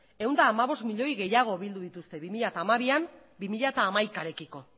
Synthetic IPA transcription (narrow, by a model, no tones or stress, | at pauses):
e̞wnd̪aːmaβ̞o̞st̪miʎo̞jɣe̞jaɣ̞o̞βild̪uðit̪ust̪e̞βimiʎat̪aːmaβ̞iam | bimiʎat̪aːmajkaɾe̞kiko̞